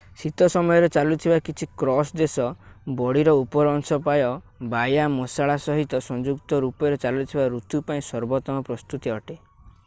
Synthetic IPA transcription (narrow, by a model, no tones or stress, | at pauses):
sit̪ɔsɔmɔjɔɾet͡ʃalut̪ʰibakit͡ʃʰikɾɔsd̪esɔbɔɽiɾɔupɔɾɔŋsɔpajɔ | bajamɔsaɭasɔɦit̪ɔsɔ̃nd͡ʒukt̪ɔɾupɔɾet͡ʃalut̪ʰibaɾut̪upaĩsɔɾbɔt̪ɔmɔpɾɔst̪ut̪iɔʈe